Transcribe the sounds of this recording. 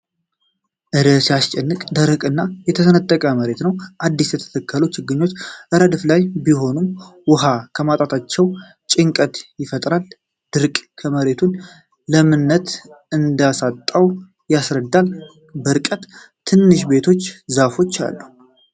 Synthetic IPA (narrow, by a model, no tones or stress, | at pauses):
ʔɨɾəsiast͡ʃʼɛnːɨkʼd̪əɾəkʼɨnːajɛt̪ʰəsənət̪ʼːəkʼəməɾe̞t̪nəwʔad̪ːisjɛt̪ʰə̥t̪ʰəkʰːəlot͡ʃːɪɡːɨɲːo̞t͡ʃːʔɨɾəd̪ɨflajbiɦo̞numwʊɦakʰəmat̪ʼat̪ʰat͡ʃːɛw | t͡ʃʼɪŋkʼət̪jɪfət̪ʼɾal | d̪̥ɨɾkʼkʰəməɾe̞t̪ʰun | ləmɨnːət̪ɨnd̪asat̪ʼːaw | jasɾəd̪ːal | bəɾkʼət̪ | t̪ʰːɨnːɨʃbe̞t̪ʰo̞t͡ʃːzafo̞t͡ʃːa̰lːu